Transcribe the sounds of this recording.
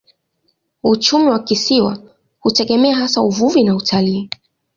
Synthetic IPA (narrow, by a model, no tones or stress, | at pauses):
ut͡ʃumiwakisiwa̰ | hutɛɠɛmɛaɦasauvuvinautʰaliː